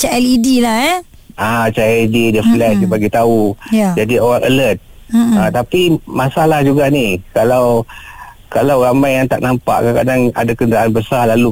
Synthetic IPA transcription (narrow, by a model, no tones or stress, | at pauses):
t͡ʃɛʔɛlidilaɛ | at͡ʃaɛlididəflɛʃdibaɡit̪aujad͡ʒadioɾaŋʔələt̪̚at̪apimasalahd͡ʒuɡaʔnikalaw | kalawɾamajjaŋt̪aʔnampa̰ʔkakadaŋa̰dakəndəɾaʔanbəsalalu